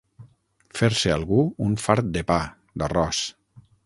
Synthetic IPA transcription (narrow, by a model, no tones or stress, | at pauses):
feɾsealˠɣuuɱfaɾt̪̚d̪epa | d̪arɔs